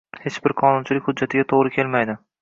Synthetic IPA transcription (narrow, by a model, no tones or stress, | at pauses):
het͡ʃbɪɾqʰɒnʊnt͡ʃʰɪlɪkʲhʊd̪̚d͡ʒːat̪ʰɪɡʲat̪ʰoʁɾɪkʲʰe̞lmajd̪ɪ